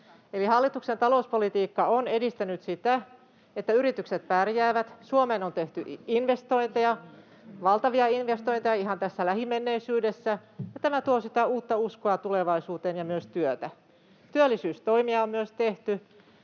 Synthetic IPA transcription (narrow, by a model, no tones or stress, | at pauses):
elihɑlːit̪ukset̪ɑlouspolit̪iːkːɑonedist̪ænyt̪sit̪æ | et̪ːæyɾit̪ykset̪pærjæːʋæt̪suomenont̪eht̪yʔinʋe̞st̪o̞int̪ejɑ | ʋɑlt̪ɑʋiɑinʋest̪oint̪ejɑiɦhɑnt̪æsːælæhimːenːeisyːde̞sːæjɑt̪æmæt̪uosit̪æuːt̪ːɑuskoɑt̪uleʋɑisuːt̪eːnjɑmyøst̪yøt̪æ | t̪yølːisyːst̪o̞imiɑommyøst̪eht̪y